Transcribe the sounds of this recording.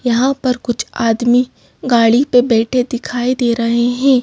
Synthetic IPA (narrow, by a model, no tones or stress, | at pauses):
jɐɦãpɐɾkʊt͡ʃʰaːd̪mi | ɡaːɽipebɛːʈʰed̪ɪkʰaːid̪eːɾɐɦeɦɛ̃ː